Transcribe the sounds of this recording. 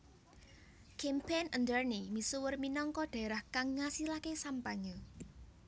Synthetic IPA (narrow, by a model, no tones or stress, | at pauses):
kɛmpenənd̪ərnimisuwərminɔŋkɔɖ̥a̤ɾahkaŋːasilakesampaɲɔ